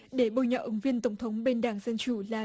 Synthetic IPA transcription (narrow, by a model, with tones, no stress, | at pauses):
ɗe˧˩ɓo˧˨˩jɲɔ̰˧˨ʔɨ˨˦ŋvi˧ənt̪ə˧˩wŋ͡mt̪ʰə˨˦wŋ͡mɓe˧nɗaː˨˩ŋzə˧nt͡ɕu˧˩laː˨˩